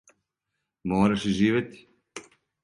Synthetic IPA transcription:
moːɾaʃiʒiːʋet̪i̥

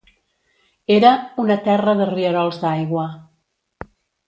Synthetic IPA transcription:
eɾəunət̪ɛrəðəriəɾɔlˠzðajɣwə

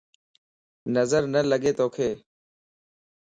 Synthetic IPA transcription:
nəzəɾnələɠeːt̪oːkʰeː

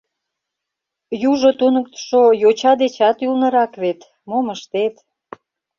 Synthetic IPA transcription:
juʒot̪unək̚t̪ə̥ʃojot͡ɕɑd̪et͡ɕɑt̪ylnə̆ɾɑkβet̪ | moməʃt̪et̪

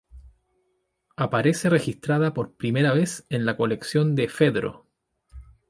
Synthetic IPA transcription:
apaɾe̞se̞re̞xist̪ɾaðapo̞ɾpɾime̞ɾaβe̞senlako̞le̞ksjo̞nd̪efe̞ðɾo̞̰

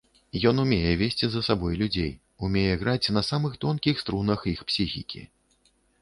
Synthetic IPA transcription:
jɔnumʲejɛvʲesʲt͡sʲizɐsabɔjlʲud͡zʲḛj | umʲejɛɣɾat͡sʲnɐsamɨxt̪ɔnkʲixst̪ɾunɐxixpsʲixʲḭkʲḭ

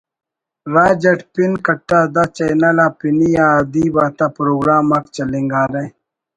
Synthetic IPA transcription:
ɾaːd͡ʑɐʈpinkɐʈːaːd̪at͡ʃɐjnɐlaːpinijaːd̪iːbaːt̪apɾoːɡɾaːmɐkt͡ʃɐliŋɡaːɾe

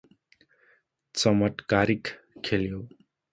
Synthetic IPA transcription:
t͡sʌmʌʈkaɾik | kʰːeljo

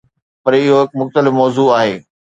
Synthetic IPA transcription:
pɐɾɪɦoɦɪkmʊxt̪əlɪfmɔːzuːaːɦeː

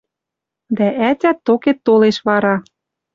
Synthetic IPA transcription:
d̪æʔætʲæt̪ːoket̪ːoleʃβɑɾɑ

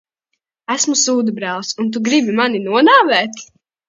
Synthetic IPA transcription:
æsmusuːd̪ubɾælˠsunt̪̬uɡɾibimaninuɔnaːvɛːt̪

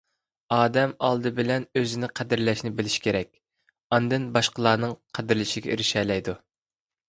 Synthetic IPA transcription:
ɑːd̪ɛmɑlˠd̪ɨbɪlɛnøzɪnɪqʰæd̪ɪɾlɛʃnɪbɪlɪʃi̥kʲʰeɾɛk̚ʲ | ɑnd̪ɨnbɑʃqəlˠɑːnɨŋqʰæd̪ɪɾlɪʃiɡʲɛ̰ɾɪʃɛːlɛjd̪u

